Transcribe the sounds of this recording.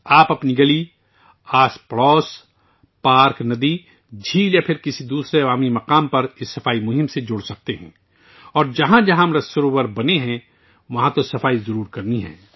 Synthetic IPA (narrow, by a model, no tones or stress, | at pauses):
aːpɐpniɡɐli | aːspɽɔːs | paːɾknɐd̪i | d͡ʒʱiːljapʰɪɾkɪsid̪uːsɾeɐʋaːmimɐqaːmpɐɾɪsːɐfaːimʊɦɪmsed͡ʒʊːɽsɐk̚t̪eɦɛ̰̃ː | ɔːɾd͡ʒɐɦãd͡ʒɐɦãmɾɐsʊɾowəɾbɐneɦɛ̃ | ʋɐɦãt̪osɐfaːizɐɾuːɾkɐɾniɦɛ̰̃ː